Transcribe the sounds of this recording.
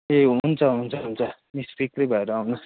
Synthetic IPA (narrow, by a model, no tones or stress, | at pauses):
eunt͡sʰʌɦunt͡sʰʌɦunt͡sʰʌ | mispikrʌjbʱʌeɾʌawnus